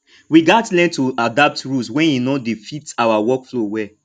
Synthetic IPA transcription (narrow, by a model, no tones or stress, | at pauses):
wiɡatlɛ̃ntuadap̚tɹulswɛ̃ninɔdifitawawɔkflowɛ